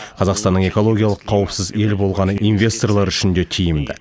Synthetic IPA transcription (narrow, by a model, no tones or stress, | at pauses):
qʰɑzɑqst̪ɑnːəɴe̞ko̞lˠo̞ɡʲijalˠəqʰːɑwəpsɪze̞lbo̞lˠʁɑnəijnvʲe̞st̪o̞rlˠɑɾʏʃɪnd̪e̞t̪ʰijɪmd̪ɪ̰